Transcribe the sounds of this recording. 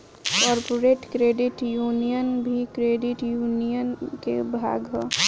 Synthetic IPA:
kɔːɾpoɾeʈkɾeɖɪʈjuːnijənbʱikɾeːɖiʈjuːnijənkebʱa̰ːɡɦɔ

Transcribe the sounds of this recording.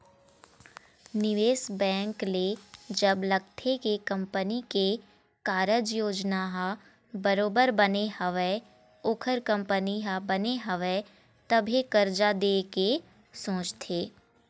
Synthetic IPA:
nɪʋeːsbɛ̃ːŋkled͡ʒəbləɡ̚t̪ʰekekɐ̃mpənike | kaːɾəd͡ʒjoːd͡ʒnaɦa | bəɾoːbəɾbənehɐʋe | ʊkʰəɾkə̃mpəniɦabɐneɦɐʋe | t̪ɐbʱekəɾd͡ʒad̪eːke | sõːt͡ʃt̪ʰeː

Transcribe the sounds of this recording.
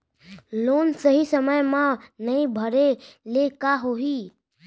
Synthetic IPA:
loːnsəɦisəməjmãnəĩbʱəɾelekaɦoɦi

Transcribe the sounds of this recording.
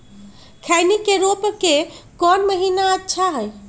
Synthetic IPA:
kʰajnikeɾopəkekɔnməɦinaətːʃʰaɦəj

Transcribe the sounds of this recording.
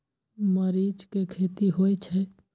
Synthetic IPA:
məɾiːd͡ʒkekʰeːt̪iɦoːit͡ʃʰɛ

